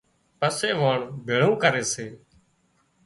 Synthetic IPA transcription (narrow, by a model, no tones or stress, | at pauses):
pəseːʋoːɳbʱeːɭ̤õːkəɾeːseː